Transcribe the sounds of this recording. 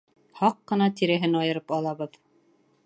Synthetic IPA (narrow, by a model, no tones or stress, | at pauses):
hɑqːɤ̆nɑt̪iɾæɦɘnɑjɤ̆ɾɤpɑlˠɑβɤð